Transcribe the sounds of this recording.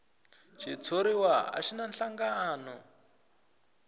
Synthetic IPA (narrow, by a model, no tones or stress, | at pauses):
t͡ʃʰit͡sʰoɾiwaa̰ʃinanɬaŋɡaːnɔ